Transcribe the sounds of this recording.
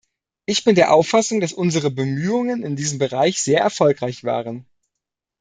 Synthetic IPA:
ʔɪçb̥ɪndeːɐʔaʊfasʊŋd̥asʔʊnzəʁəbəmyːʊŋənɪndiːzəm̩bəʁaɪçz̥eːɐʔɛɐfɔlkʁ̥aɪçv̥a̰ːʁən

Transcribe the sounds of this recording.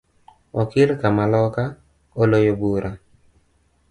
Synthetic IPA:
ɔkɪlkamalɔka | olojobuɾʔa

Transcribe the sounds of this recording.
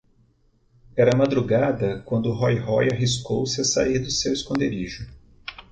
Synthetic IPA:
ɛɾɐmad̪ɾuɡad̪ɐkwɐ̃nd̪ʊɦɔjɦɔjaɦiskowsɪasa̰iɾd̪ʊseweskõnd̪eɾiʒʊ

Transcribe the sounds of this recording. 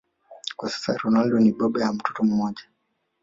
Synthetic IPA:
kwasḁsa̰ɾɔnaldɔniɓɔɓɛjam̩tutɔm̩mɔʄa

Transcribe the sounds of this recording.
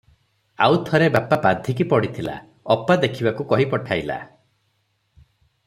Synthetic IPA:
a̰wt̪ʰɔɾebapabad̪ʱikipɔɽit̪ʰila̰ | ɔpad̪ekʰibakukɔɦipɔʈʰajla̰

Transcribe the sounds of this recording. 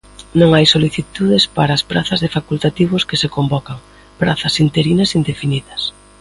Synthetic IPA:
nõŋajsoliθit̪uðɪspaɾɐːspɾaθɐzðefakult̪at̪iβ̞ʊskɪsekombɔkɐŋ | pɾaθɐsint̪eɾinɐsind̪efiniðɐs

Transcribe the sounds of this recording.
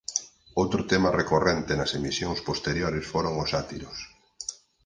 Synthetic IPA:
owt̪ɾʊt̪ɛmɐrekorent̪enɐsemisjoŋspost̪eɾjoɾɪsfoɾoŋʊsat̪ḭɾʊs

